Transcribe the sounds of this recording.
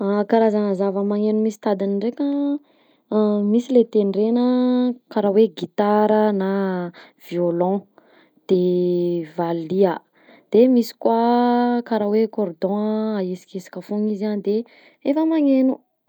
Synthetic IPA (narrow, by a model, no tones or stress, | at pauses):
akaɾazanəzavəmaŋenumisi̥t̪ad̪inɳɖ͡ʐekʲə | misilet̪enɖ͡ʐenəkaɾaweɡit̪aɾənav̥iolɔ̃ | d̪̥e | valiə | d̪̥emisi̥kwakaɾawekɔrd̪ɔ̃aesi̥kesi̥kʲəfoŋiziand̪e | efəmaŋenu